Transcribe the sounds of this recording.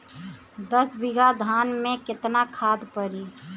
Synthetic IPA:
d̪əsbɪɡad̪ʱaːnmẽkɪt̪nakʰaːd̪pəɾiː

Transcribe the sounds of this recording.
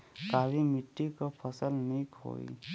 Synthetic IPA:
kaɾimiʈːikapʰəsəlmikɦo̰ḭ

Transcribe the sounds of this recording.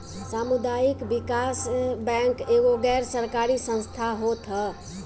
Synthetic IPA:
samud̪ajikbikasbɛŋkeɡoɡɛɾsəɾkaɾisə̃ñst̪ʰaɦot̪ʰə

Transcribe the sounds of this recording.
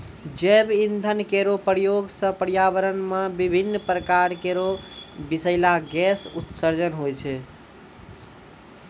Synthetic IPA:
d͡ʒebind̪ʱənkeɾopəɾjoɡsə̃pəɾjabəɾənmebibʱinːpɾəkaɾkeɾobisəɪlaɡɛsut̪səɾd͡ʒənɦojt͡ʃʰɛ

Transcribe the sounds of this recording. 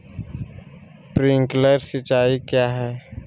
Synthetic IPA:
pɾɪ̃ŋkləɾsɪt͡ʃaːikjaːɦɛː

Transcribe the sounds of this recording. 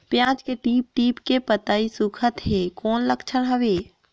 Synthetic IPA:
pjãːt͡ʃkeʈiːp̚ʈiːpkepət̪aːisukʰət̪ɦekɔːnləkt͡ʃʰənɦəʋeː

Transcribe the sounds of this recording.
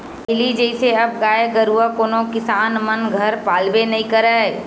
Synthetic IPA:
ɪlid͡ʒəɪseɐb̚ɡaːjeɡəɾuakoːnõkɪsaːnmɐnɡʱɐɾpaːlbenɐɦĩkɐɾae

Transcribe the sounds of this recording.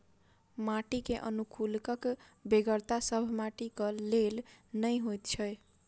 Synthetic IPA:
maʈikeʔʌ̰nukʰulkʌkbeɡəɾt̪asʌbʱmaʈikʌlelnəjɦojt̪t͡ʃʰʌj

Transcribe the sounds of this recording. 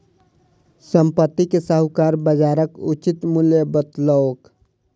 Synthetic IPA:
səmpət̪ːikesəɦʊkaːɾbəd͡ʒaːɾəkʊt͡ʃɪt̪mʊljebət̪ləok

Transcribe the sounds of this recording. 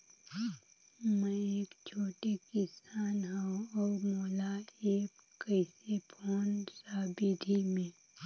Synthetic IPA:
mɛ̃eːkt͡ʃʰoːʈekɪsaːnɦaũɔːɾmoːlaeːk | kəɪsepʰoːnsaːbid̪ʱimẽː

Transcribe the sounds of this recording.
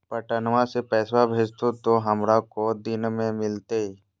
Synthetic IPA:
pəʈənʋãsepɛːsabʱeːd͡ʒt̪ot̪oɦɐmɾakod̪ɪnmẽmɪlt̪ei

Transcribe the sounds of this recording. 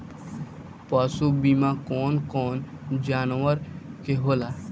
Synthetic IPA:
paːsubimãkɔːnkɔːn | d͡ʒaːnwəɾkeɦoːlaː

